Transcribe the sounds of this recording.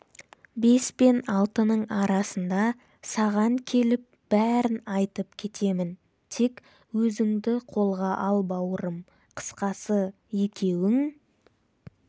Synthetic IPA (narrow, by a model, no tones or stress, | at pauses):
be̞spe̞nɑlˠt̪ənəɴɑɾɑsənd̪ɑ | sɑʁɑŋkʲʰe̞lɪp̚b̥æɾɪnɑjt̪əp̚kʲʰe̞t̪e̞mɪn | t̪ʰe̞k | wɵzɪŋd̪ɪqʰo̞lˠʁɑʔɑlˠbɑwəɾəm | qʰə̥sqɑsə | je̞kʲʰe̞wɪŋ